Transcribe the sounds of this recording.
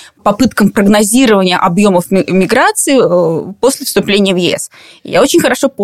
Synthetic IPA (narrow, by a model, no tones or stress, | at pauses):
pɐpɨt̪kəmpɾəɡnɐzʲiɾəvənʲɪjə̰ʔɐbjo̞məfʲmʲɪɡɾat̪sɨɪəpo̞sʲlʲɪfst̪ʊplʲenʲɪjəvjɪɛ̰s | ja̰ot͡ɕɪnʲxəɾɐʂo̞p